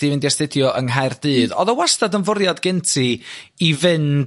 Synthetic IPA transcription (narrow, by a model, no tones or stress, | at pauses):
d̥ivɪndiɛstɪdjɔʔəŋɦajrdɨːðɔ̰ðəwastadənvʊɾjadɡɪntʰiivɨn